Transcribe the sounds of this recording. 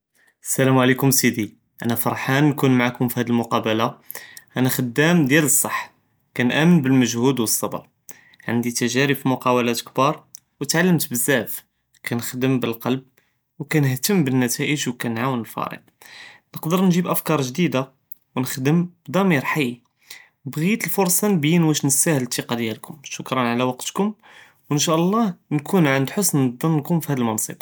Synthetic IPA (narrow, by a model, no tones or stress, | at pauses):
ʔəsːælæmʕlikʊmsid̪i | ʔæ̰næfɑɾˤħanːkunmaʕakʊmfihæd̪əlmʊqɑbəla | ʔænæxəd̪ːæmd̪jæləsˤːɑħː | kænʔæmənbəlməʒhud̪wəsˤːɑb̪ə̰ɾ | ʕa̰nd̪it̪æʒæɾibfimʊqɑwəlæt̪kbɑɾˤ | wət̪ʕalːəmt̪bəzːæf | kʰænəxd̪əmbəlqɑlb̚ | wkænəht̪əmːbənːæt̪æʔəʒwkænʕawənəlfɑ̰ɾə̰q̚ | nəqd̪əɾnʒibʔæfkɑɾˤʒd̪id̪a | wnəxd̪əmbd̪ˤɑmiɾħai | bɣit̪əlfʊɾˤsˤɑnəbjinwæʃnəsæhəlt̪iqɑd̪jælkʊmʃʊkɾˤɑnʕalæwɑqt̪kʊm | wənʃ̬æʔəlˤːɑhnkʰunʕənd̪ħosnd̪ˤənnkʊmfihæd̪əlmɑnsˤɨ̰b